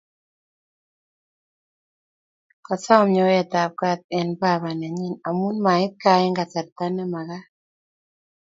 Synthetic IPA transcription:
kɔ˨sɔ˦˨mɔ˨˦jɛ˨t̪a˨p̚ka˦t̪̚ɛ˨nba˦˨βa˨nɛ˨ɲɛ˦na˨mu˦nma˨ɪ˦t̪̚ka˨ɪ˦ŋɡa˨t͡sa˨ɾt̪a˦nɛ˦ma˨ɣa˦

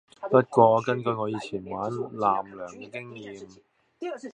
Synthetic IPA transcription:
pɐ˦˥t̚kwɔː˧kɐ˥nkɵ˧jŋɔː˨˧jiː˨˧t͡ɕʰiː˨˩nwaː˨˥nlaː˨˩mlœː˨˩ŋ˧kɪ˥ŋjiː˨˧m

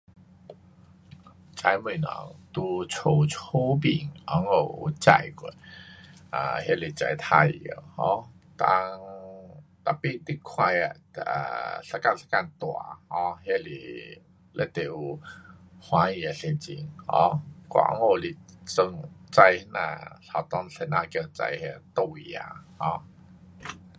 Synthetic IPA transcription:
t͡sa˧jmi˨˩nɔ̰˨˩˦ŋt̪u˧t͡sʰo˧t͡sʰo˦bi˨˩ŋɔ˨˦ŋo˧˨˩wt͡ɕa̰˧jkwe˨˩ | a̰˨˧˩hja˦˥˨li˨˩t͡sa˧˩jt̪ʰa˧jə˨˧˩hɔ̃˧˦ | t̪a̰˧ŋ | t̪a˨˩pi˦˧˨t̪i˦kʰwa˧ja̰˨˩ | a̰˨ɬa˧ka˥˨nsḁ˧ka˧˨nt̪wa̰˨hɔ̃˧˦hje˦lḭ˨˩ | le˧˦t̪e˨ | hwã˧˦i˧˩a˨se˧nt͡ɕḭ˧ŋhɔ̰̃˧˦kwa̰˨ɔ̰˧˦ŋo˧˨li˧˩t͡sə˧ŋt͡sa˧jhnã̰˧˨ɬa˨˩t̪ɔ˧ŋɬe˧nã˧˨kə˧˩t͡sa̰˧jhe˧t̪o˧˨i˧˨a̰˧hɔ̃˧˦

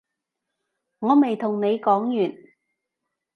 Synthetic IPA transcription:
ŋɔː˨˧me˨jt̪ʰʊ˨˩ŋne˨˧jkɔː˨˥ŋjyː˨˩n

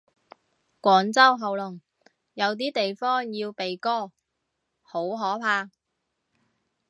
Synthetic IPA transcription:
kʷɔː˨˥ŋt͡sɐ˥wɦɐ˨wlʊ˨˩ŋ | jɐ˨˧wt̪̬iː˥t̪e˨jfɔː˥ŋjiː˧wpe˨jkɔː˥˩ | ho˨˥wɦɔː˨˥pʰaː˧

